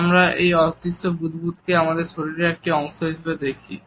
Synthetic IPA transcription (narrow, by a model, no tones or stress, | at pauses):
amɾaʔejɔt̪ist̪obud̪ʱbut̪keamad̪eɾʃoɾiɾeek̚ʈiɔŋʃoɦeʃebed̪ekʰi